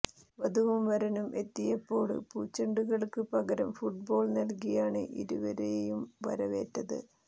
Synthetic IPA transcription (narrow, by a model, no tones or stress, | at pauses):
ʋɐðuʋumʋɐɾɐnumʔe̞t̪ːijɐpːo̞ːɽɨ̰puːt͡ɕːɐɳɖuɣɐɭkɨpɐɣɐɾɐmfuʈ̚bo̞ːɭnɐlkijaːɳɨ̰ʔḭɾṵʋɐɾejjumʋɐ̰ɾɐʋe̞̰ːʈːɐðɨ̰